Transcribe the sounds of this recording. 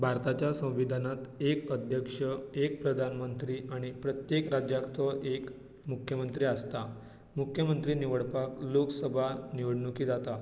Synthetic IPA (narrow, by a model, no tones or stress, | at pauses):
bʱaɾt̪at͡ɕjasə̃w̃ʋid̪ʱanat̪ekəd̪ʱjəkʂəek̚pɾəd̪ʱanmənt̪ɾiːʔaɽ̃ipɾət̪jekɾad͡ʑjakt̪ʰɔʔek | mukʰjəmənt̪ɾiːast̪a | mukʰjəmənt̪ɾiːniʋəɽpakloksəbʱaniʋəɽɳukiːd͡zat̪a